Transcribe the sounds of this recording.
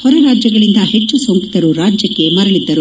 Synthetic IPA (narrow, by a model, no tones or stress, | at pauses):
hɔɾɐɾaːd͡ʒjɐɡɐɭind̪ɐhet͡ʃːusoŋkit̪ɐɾuɾaːd͡ʒjɐkːe̞mɐɾɐɭid̪ːɐɾu